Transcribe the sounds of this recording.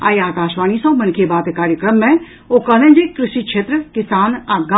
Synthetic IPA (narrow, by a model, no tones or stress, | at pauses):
a̰ːjaːkaːʃʋaːñisɐ̃wmɐnkʰebaːt̪kaːɾjəkɾəmːẽ | okɐnɐ̃d͡ʒekɾɪʃiːkʃʰeːt̪ɾəkɪsaːnaːɡa